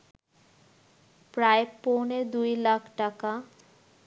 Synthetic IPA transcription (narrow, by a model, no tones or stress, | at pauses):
pɾaeponed̪ujlakʰʈaka